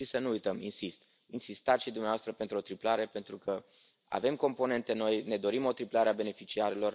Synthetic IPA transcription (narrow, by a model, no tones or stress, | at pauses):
isənuujt̪əminsist̪ | insist̪at̪ʃid̪umneavast̪ɾəpent̪ɾuo̞t̪ɾiplaɾe̞pe̞nt̪ɾukə | a̰ve̞mko̞mpo̞ne̞nt̪e̞no̞jne̞d̪o̞ɾimo̞t̪ɾiplaɾeabe̞ne̞fit͡ʃiaɾelo̞r